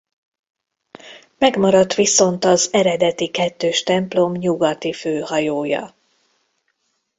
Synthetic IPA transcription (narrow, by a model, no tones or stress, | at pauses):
mɛɡmɒɾɒt̪ʋiso̞nt̪ɒzɛɾɛd̪ɛt̪ikɛt̪ːøːʃt̪ɛmplo̞mɲuɡɒt̪iføːhɒjoːjɒ̰